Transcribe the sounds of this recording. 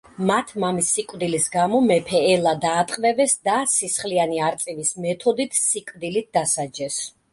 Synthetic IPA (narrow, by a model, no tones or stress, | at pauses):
mat̪ʰmamisːikʼvd̪ilisɡamɔmɛpʰɛːlˠad̪aːt̪ʼqʼvɛvɛsd̪asisχlianiaɾt̪sʼivismɛt̪ʰɔd̪it̪ʰsikʼvd̪ilit̪̚d̪asad͡ʒɛs